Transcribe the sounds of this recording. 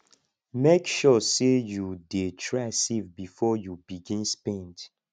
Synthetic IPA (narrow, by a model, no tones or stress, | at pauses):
mekʃɔsejudetʰɹasivbifɔjubiɡĩnspɛ̃nd